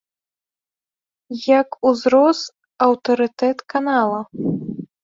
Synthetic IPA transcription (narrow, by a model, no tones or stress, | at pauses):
jɐkuzɾɔs | ɐwt̪ɐɾɨt̪ɛt̪kanalˠɐ